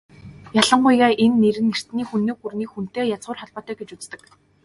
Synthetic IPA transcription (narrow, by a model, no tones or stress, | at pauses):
jaɮə̆ŋɢʊjɣaːʔenːeɾɘ̆nːer̥t̪niːxunːoːxurniːxun̥t̪eːjat͡sʊːrχɔɮpɔːt̪œːɡet͡ɕut͡st̪ə̆k